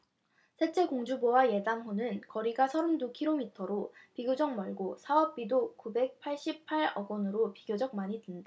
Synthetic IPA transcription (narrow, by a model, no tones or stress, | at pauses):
sʰet͡ɕ͈e̞koŋd͡ʑubowaje̞damɸonɯnkʌɾiɡasʰʌɾɯmdukʰiɾomitʰʌɾopiɡʲjod͡ʑʌŋmʌɭɡosʰaʌp̚p͈idokube̞k̚pʰaɭɕ͈ippʰaɾʌɡonɯɾopiɡjod͡ʑʌk̚maɲidenda